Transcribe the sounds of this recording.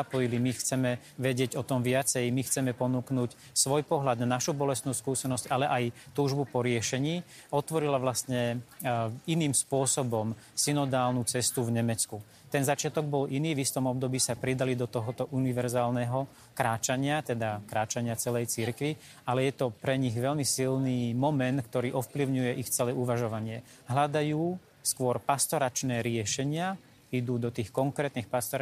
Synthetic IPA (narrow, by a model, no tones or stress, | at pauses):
apɔjilimixt͡sɛmɛ | ʋɛɟɪɛɟɔt̪ɔmʋɪat͡sɛjmixt͡sɛmɛpɔnuːknuːc | sʋɔjpɔɦʎad̪nanaʃubɔlɛst̪nuːskuːsɛnɔscalɛʔajt̪uːʒbupɔɾɪɛʃɛɲiː | ɔt̪ʋɔɾilaʋlast̪ɲɛ | iniːmspʊɔsɔbɔmsinɔd̪aːlnut͡sɛst̪uvɲɛmɛt͡sku | t̪ɛnzat͡ʃɪat̪ɔɡ̚bɔlʔiniːvist̪ɔmɔb̚d̪ɔbiːsapɾid̪alid̪ɔt̪ɔɦɔt̪ɔʔuniʋɛɾzaːlnɛɦɔ | kɾaːt͡ʃaɲɪat̪ɛd̪akɾaːt͡ʃaɲɪat͡sɛlɛjt͡siɾkʋi | alɛjɛt̪ɔpɾɛɲiɣʋɛʎmisilniːmɔmɛnt̪kt̪ɔɾiːʔɔfpliʊɲujɛʔixt͡sɛlɛuʋaʒɔʋaɲɪɛ | ɦlad̪ajuː | skʊɔɾpast̪ɔɾat͡ʃnɛːɾɪɛʃɛɲɪa | id̪uːd̪ɔt̪iːxkɔŋkɾɛːt̪niːxpast̪ɔɾ